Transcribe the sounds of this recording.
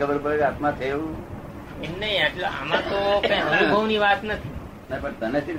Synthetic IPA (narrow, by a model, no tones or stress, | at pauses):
əbəɾpəɾekat̪mãt̪ʰeʋũ | emnəɦiaʈlea̰mãt̪okə̃jənubʱəʋniʋat̪nət̪ʰi | nəipəɳt̪ənesiɾ